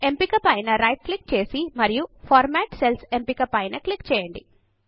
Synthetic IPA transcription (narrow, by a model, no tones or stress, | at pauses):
e̞mpikɐpɐjnɐɾɐjʈ̚klik̚ːt͡ʃe̞ːsimɐɾijupʰaːɾmɛːʈselse̞mpikɐpɐjnɐklikːt͡ʃɛːjɐɳɖi